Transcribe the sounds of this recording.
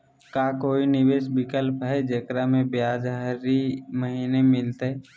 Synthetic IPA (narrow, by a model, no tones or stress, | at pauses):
kaːkoːinɪʋeːʃbɪkəlpɦɛd͡ʒəkɾamẽbjaːd͡ʒəɾiməɦiːnemɪlt̪ɦɛ